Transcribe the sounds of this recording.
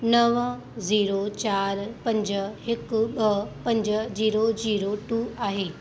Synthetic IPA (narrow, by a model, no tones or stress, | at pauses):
nɐʋ | ziːɾot͡ɕaːɾpɐ̃ɲd͡ʑə̆ɦɪkɓɐpɐ̃ɲd͡ʑəziːɾoziːɾoʈuːaːɦeː